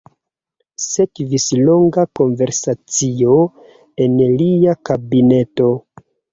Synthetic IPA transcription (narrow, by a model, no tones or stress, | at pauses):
sekvislo̞ŋɡako̞nve̞ɾsat͡sio̞ | e̞nliakabine̞to̞